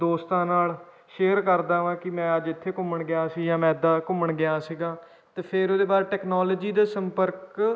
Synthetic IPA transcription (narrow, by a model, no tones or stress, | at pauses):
d̪oːst̪ãːnaːl | ʃeːɾkəɾd̪aːʋãːkɪmɛ̃ːəd͡ʒɪt̪ʰːeːkʊməɳɡɪaːsijãːmɛ̃ːd̪aːkʊməɳɡɪjaːsiɡãː | t̪eːpʰɪɾoːd̪eːbaːɾeːʈɛːknaːloːd͡ʒiːd̪aːsəmpəɾk